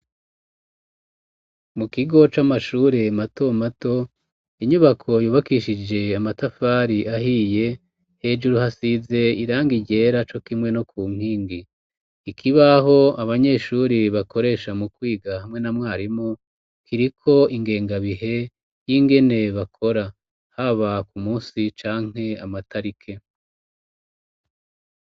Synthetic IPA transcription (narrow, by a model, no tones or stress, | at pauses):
mukiɡo̞t͡ʃamaʃuːɾe̞mato̞mato̞ | iɲuβakʰo̞juːβakiʃid͡ʒe̞amatafaːɾiʔaɦije̞ | he̞d͡ʒuɾuhasize̞iɾaːŋɡiɟe̞ːɾat͡ʃo̞kimŋe̞no̞kuːŋ̥hiːŋɡi | ikʰiβaɦo̞aβaɲe̞ːʃuɾiβako̞ɾe̞ːʃamukwiːɡahamŋe̞namŋaːɾimo | kʰiɾikʰo̞iŋɡe̞ːŋɡaβiɦe̞ | jiŋɡe̞ne̞βakʰo̞ɾa | haβakumuːsit͡ʃaːŋ̥he̞amatʰaɾikʰe̞